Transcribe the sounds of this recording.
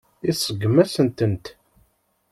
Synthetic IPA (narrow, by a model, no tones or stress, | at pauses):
isˤəɡːmæsənt̪ənt̪